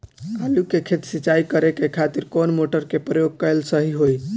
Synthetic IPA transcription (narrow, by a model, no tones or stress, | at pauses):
kalukekʰet̪sit͡ʃaikəɾekekʰat̪iɾkonmoʈəɾkepɾəjoɡ̚kəelsəɦiɦoj